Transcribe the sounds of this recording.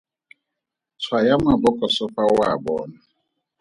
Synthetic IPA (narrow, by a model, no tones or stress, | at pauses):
t͡sʰwajamabɔkɔsɔɸawabɔ̰ːna